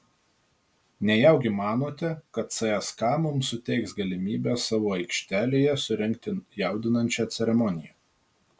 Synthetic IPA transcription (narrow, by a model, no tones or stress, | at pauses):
nʲɛjɛʊɡʲɪmɑːnoːt̪ʲɛkɐt̪sɐɛskɑːmʊmsʊt̪ʲɛɪksɡɐlʲɪmʲiːbʲesɑːʋoːɐɪkʃʲt̪ʲæːlʲeːjɛsʊɾʲɛŋʲk̚t̪ʲɪjɛˑʊd̪ʲɪnɐnʲt͡ʃʲɛt̪sʲɛɾʲɛmɔnʲɪjɛ